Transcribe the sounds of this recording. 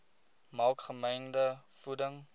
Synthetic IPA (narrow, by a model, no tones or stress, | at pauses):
mɑːkχəməjndəfudəŋ